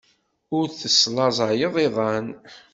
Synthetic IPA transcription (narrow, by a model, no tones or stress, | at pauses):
ʊɾθəslɑzˤɑjəðˤiðˤɑn